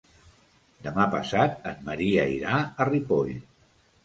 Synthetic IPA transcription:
d̪əmapə̰sat̪̚əmːəɾiəiɾaəripoʎ

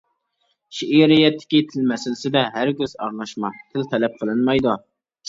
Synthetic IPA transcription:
ʃiʔiɾɪjɛt̪ʰːɪ̥kʲit̪ʰɪlmɛsɪlɪsɪd̪ɛɦæɾɡʲøz̥ɑɾlˠɑʃmɑt̪ʰɪlt̪ʰɛlɛp̚qʰəlˠɨnmɑjd̪u

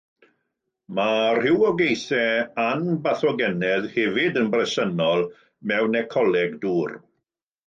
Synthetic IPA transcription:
mar̥ɪwɔɡejθɛanbaθɔɡɛnɛðhɛvɪdənbrɛsənɔlˠ | mɛwnɛkʰɔlɛɡduːr

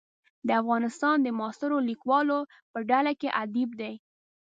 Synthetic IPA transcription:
d̪əafɣɑnɪst̪ɑnd̪əmɑst̪əɾolikwɑlo | pəɖalakeʔad̪ib̚d̪aj

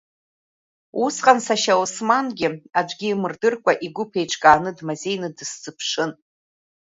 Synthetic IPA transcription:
usqʼansaʃausmanɡʲɪad͡ʒʷɡʲiːmɨrdɨrkʷʼaʔiɡʷʊpʰe̞jʈ͡ʂʼʰkʼaːnɨdmaze̞jnɨdɨst͡sʼɨpʰʂɨn

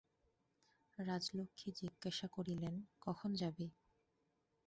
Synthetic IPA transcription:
ɾad͡ʑlokʰːid͡ʑiɡːaʃakoɾilenkɔkʰond͡ʑabe

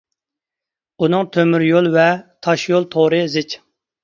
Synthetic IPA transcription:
unɨŋt̪ʰømyɾjolˠvɛt̪ʰɑʃjolˠt̪ʰoɾɨzɪt͡ʃ

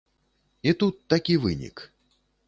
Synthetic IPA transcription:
it̪ut̪ːakʲivɨ̰nʲḭk

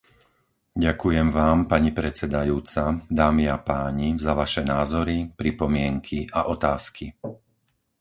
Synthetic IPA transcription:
ɟakujɛmʋaːmpaɲipɾɛt͡sɛd̪ajuːt͡sad̪aːmiapaːɲizaʋaʃɛnaːzɔɾipɾipɔmɪɛŋkʰiʔaʔɔt̪aːski

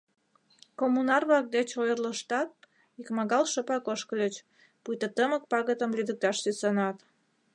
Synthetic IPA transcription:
komunɑrβlɑk̚d̪et͡ɕojərləʃt̪ɑt̪̚ | ikmɑɣɑlʃəpɑkoʃkəlʲət͡ɕ | pujt̪ət̪əmək̚pɑɣət̪əmlyd̪ək̚t̪ɑʃsysənɑt̪

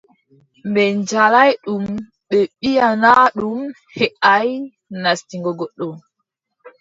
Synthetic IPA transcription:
mbɛɲd͡ʒalajɗum | ɓɛɓijanaɗum | hɛʔaj | nastiŋɡɔɡɔɗːɔm

